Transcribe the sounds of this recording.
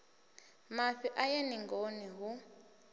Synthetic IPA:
maɸiʔajeniŋɡoniɦu

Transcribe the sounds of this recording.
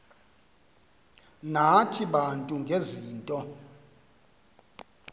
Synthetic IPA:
natʰiɓantʼuŋɡʱeziːntʼɔ

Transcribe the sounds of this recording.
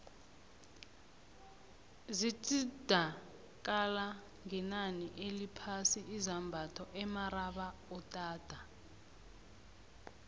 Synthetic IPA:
zitʼid̥ʱa | k̬ʼala | ŋɛnaniʔelipʰasiʔːzambʱatʰɔʔɛmaɾaɓaɔtʼaːd̥ʱa

